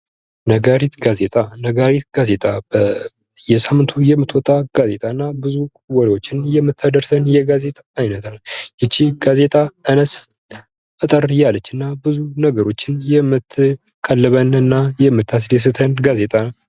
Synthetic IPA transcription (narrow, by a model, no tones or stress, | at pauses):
nəɡaɾit̪ɡazet̪ʼanəɡaɾit̪̚ɡaze̞t̪ʼabə | jɛsamːɨnt̪ʰujɛmːɨt̪wɔt̪ʼːaɡ̥aze̞t̪ʼaɨnːabɨzu | wɔɾewo̞t͡ʃːɪnjɛmːɨt̪ʰːad̪əɾsənjɛɡaze̞t̪ʼaːjnət̪ʰaljɛt͡ʃːiɡ̥aze̞t̪ʼaɨnəs | ət̪ʼəɾjalət͡ʃːɨnːabɨzunəɡəɾo̞t͡ʃːɪnjɛmːɨt̪ʰːɨ | kʰʼalːɨβənɨnːajɛmːɨt̪ʰːas̬djɛs̬ɨt̪ʰənɡazet̪ʼaw